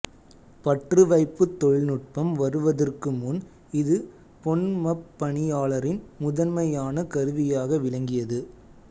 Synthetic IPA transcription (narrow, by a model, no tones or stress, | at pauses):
pɐʈrɯʋɐɪpːɯt̪ːɔɻɪnʊʈ̚pɐmʋɐɾɯʋɐðɐrkɯmʊn | ɪðɯ | pɔɳnmɐpːɐɳɪjaːɭɐɾɪnmʊðɐnmɐjaːnɐkɐɾɯʋɪjaːɣɐʋɪlɐŋɡɪjɐðɯ